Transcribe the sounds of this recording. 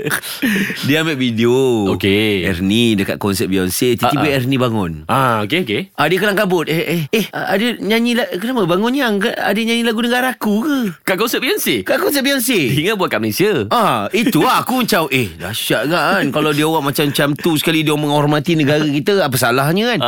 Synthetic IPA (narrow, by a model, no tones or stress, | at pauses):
diəamɛʔ̚videookeɛ̰rnidəka̰ʔ̪̚kɔnsɛt̚biɔnset̪ət̪ibeɛrnĩbaŋʊnʔaokeokeʔadəkəlaŋkabʊt̪ɛeehadəɲaɲĩlakənamabaŋʊnaŋkaa̰dəɲãɲĩlaɡunəɡaɾaakukəkaʔkɔnsɛt̚biɔnsekaʔkɔnsɛt̚p̚biɔnseiŋabwat̪̚kaʔməlesiaait̪uaɦakuməɲt͡ʃawʔehdahsʃiaʔɡaʔankalawdiəwaʔmat͡ʃamt͡ʃamt̪usə̥kalidiwaʔməŋɦɔrmat̪inəɡaɾakit̪əap̬as̬alaɦɲə̃kan